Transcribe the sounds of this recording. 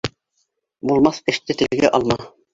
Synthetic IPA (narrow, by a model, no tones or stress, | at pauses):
bulˠmɑθɘ̆ʃt̪ɘt̪ɘ̆lɘ̆ɡæʔɑlˠmɑ